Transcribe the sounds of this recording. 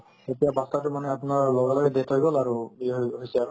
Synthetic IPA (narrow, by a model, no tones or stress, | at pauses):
etijabastatʊmanɛapʊnaɹlɔɡalɔɡɛdɛtʰojɡɔlaɹubiɦɦojsɛaɹ